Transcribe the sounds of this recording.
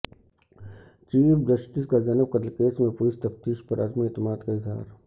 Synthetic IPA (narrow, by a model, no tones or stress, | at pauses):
t͡ʃiːpd̪ɐʃʈ̪ɪskazɐnəʋkɐɾəlkeːsmẽpʊlɪst̪ɐft̪iːʃpɐɾɐ̰d̪meːt̪ɪmaːd̪kaɪzɦa̰ːɾ